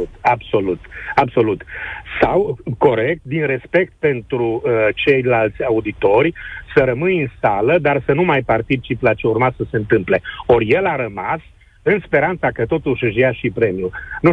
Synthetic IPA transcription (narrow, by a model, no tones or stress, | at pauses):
t̪abso̞lut̪abso̞lut̪sawko̞ɾe̞k̚t̪̚d̪inre̞spe̞k̚t̪̚pe̞nt̪ɾut͡ʃe̞jlalt̪sʲaud̪it̪o̞rʲsəɾəmɨnɨnsaləd̪arsənumajpart̪it͡ʃiplat͡ʃeurmasəse̞ɨnt̪ɨmple̞o̞rje̞laɾəmas | ɨnspe̞ɾant̪sakət̪o̞t̪uʃɨʃ̬jaʃipɾe̞miunu